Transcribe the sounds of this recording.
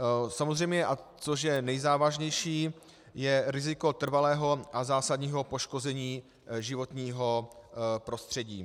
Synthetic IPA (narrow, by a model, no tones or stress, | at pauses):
samozrɛjmɲɛʔat͡soʃ̬jɛnɛjzaːvaʒɲɛjʃiː | jɛɾɪzɪko̞t̪r̩valɛːɦo̞ʔazaːsadɲiːɦo̞po̞ʃko̞zɛɲiː | ʒɪvo̞t̪ɲiːɦo̞pɾo̞st̪r̝̥ɛɟiː